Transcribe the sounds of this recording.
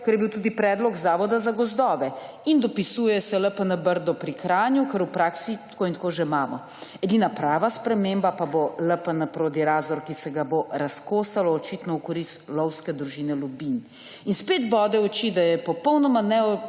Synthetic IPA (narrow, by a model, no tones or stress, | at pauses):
kɛɾjɛbiwt̪uːd̪ipɾɛːd̪lɔɡzaːʋɔd̪azaɡɔzd̪ɔːʋɛ | ind̪ɔpisuːjɛsɛləpənabəɾd̪ɔpɾikɾaːnjukəɾupɾaːksit̪koːint̪koːʒɛmaːmɔ | ɛd̪iːnapɾaːʋaspɾɛmeːmbapaboləpənɐpɾoːd̪iɾaːzɔɾkisɛɡaboɾaskoːsalɔːt͡ʃit̪nɔukɔɾist̪lɔwskɛd̪ɾuʒiːnɛlubin | inspeːd̪bɔːd̪ɛɔt͡ʃid̪ajɛpɔpɔwnɔmanɛɔ